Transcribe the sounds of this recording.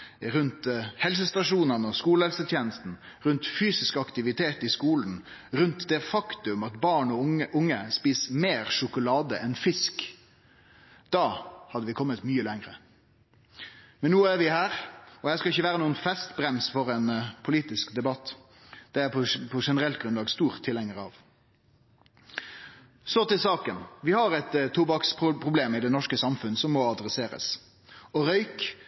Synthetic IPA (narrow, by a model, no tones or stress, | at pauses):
ɾʉnt̪hɛls̬əst̪ɑʂuːnənɔskuːləhɛlsət̪ʰjeːnəst̪n̩ | ɾʉnt̪fyːsɪskəɑkt̪ɪʋɪt̪ʰeːt̪ɪskuːln̩ | ɾʉnt̪d̪ɛfɑkt̪ʉmɑt̪bɑːɳɔʔʊŋːəspiːsmeːɾʂʊkʊlɑːd̪əʔɛnfɪsk | d̪̥ɑːhɑd̪ːəʋɪkʰɔmːət̪myːəlɛŋɾə | mɛnːuːæɾʋɪhæːɾɔhæskɑɪçːəʋæːʁənuːənfɛst̪bɾɛmsfɔɾɛnpʰʊliːt̪ɪskd̪ɛbɑt̪ː | d̪̥ɛæpʰɔpʰɔʂɛnəɾɛlt̪̚ɡɾʉnɑːɡst̪uːʁt̪ʰːɪlɛŋəɾɑ̰ʋ | sɔt̪ɪlsɑːkənʋɪhɑɾɛt̪t̪ʰːuːbɑksppʰʁʊbleːmɪd̪ɛnɔʂkəsɑmfʉnəsɔmːɔɑd̪ɾɛseːɾə̰s | ɔɾœʏk